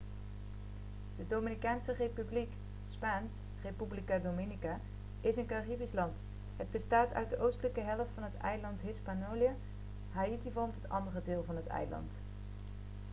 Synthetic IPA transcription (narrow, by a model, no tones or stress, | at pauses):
d̥ədominikaːnsərejpyblik | spaːns | rejpyblikadomɪnika | ɪsənkaribislɑnt | ɦəd̚bəstaːtœ̰ɥt̚dəʔowstələkəɦɛləftfɑnɦətɛ̰jlɑntɦɪspanolia | ɦaitivɔlˠmtɦətɑ̰ndərədɪːlˠvɑnɦətɛ̰jlɑ̰nt